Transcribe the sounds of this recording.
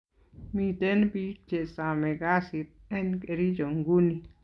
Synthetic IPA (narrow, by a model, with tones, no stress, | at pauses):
mi˨te˦nbi˦k̚t͡ʃe˨sa˨mɛ˨ɡa˦si˨t̪̚ɛ˦nke˧ɾi˦d͡ʒo˨ŋɡu˦ni˨